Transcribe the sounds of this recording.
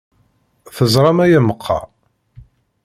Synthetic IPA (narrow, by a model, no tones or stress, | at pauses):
θəzˤɾˤɑmæjaməqʰːɑ̰